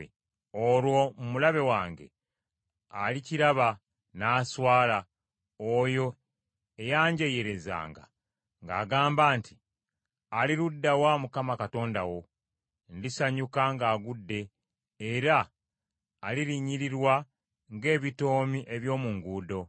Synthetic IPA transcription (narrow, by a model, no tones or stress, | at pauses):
olwo̞mumulaβe̞waːŋɡe̞̰ | aliciɾaβa | naːswaːla | ojo̞ | ejaːɲɟeje̞ɾe̞za̰ːŋɡa̰ | ŋɡa̰ːɡaːmbaːntʰi | aliɾudːawamukamakato̞ːnda̰wo̞ | ndisaɲukaŋɡaːɡudːe̞ː | ɾaː | liɾiɲiɾiɾwa | ŋɡe̞ːβito̞ːmiʔe̞βjo̞ːmuŋɡuːdo̞